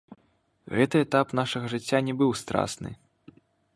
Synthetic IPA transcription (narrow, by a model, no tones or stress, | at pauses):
ɣɛt̪ɨɛt̪apnaʂɐɣɐʐɨt͡sʲːanʲɛbɨwst̪ɾa̰snɨ̰